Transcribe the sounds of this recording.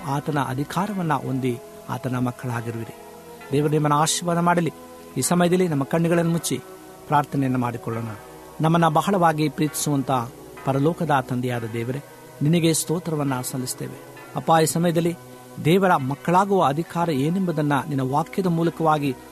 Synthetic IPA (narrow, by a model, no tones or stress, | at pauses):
aːt̪ɐnɐ̰ʔɐ̰d̪ʱikʰaːɾɐʋɐnːɐ̰ʔo̞̰nd̪i | a̰ːt̪ɐnɐmɐkːɐɭaːɡiɾuʋiɾi | d̪ɛːʋɐɾenimːɐnːɐaːʃiːʋaːd̪ɐmaːɽɐli | iːsɐmɐjɐd̪ɐlːinɐmːɐkɐɳːiɡɐɭɐnːɐmut͡ʃːḭ | pɾaːɾt̪ʰɐnɛjɐnːɐmaːɽikɔɭːoːnɐ | nɐmːɐnːɐbɐɦɐɭɐʋaːɡipɾiːt̪i̥suʋɐnt̪ɐ | pɐɾɐlɔːkɐd̪ɐt̪ɐnd̪ijaːd̪ɐd̪ɛːʋɐɾe | ninɐɡe̞st̪oːt̪ɾɐʋɐnːɐsɐlːist̪ḛːʋḛ | ɐpːaːiːsɐmɐjɐd̪ɐlːi | d̪ɛːʋɐɾɐmɐkːɐɭaːɡuʋɐːd̪ʱikaːɾɐeːnembɐd̪ɐnːɐninːɐʋaːkjɐd̪ɐmuːlɐkɐʋaːɡi